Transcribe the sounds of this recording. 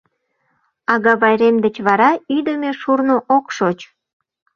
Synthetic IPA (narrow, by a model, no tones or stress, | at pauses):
ɑɣɑβɑjɾemd̪ət͡ɕβɑɾɑyd̪əmeʃurnoʔokʃot͡ɕ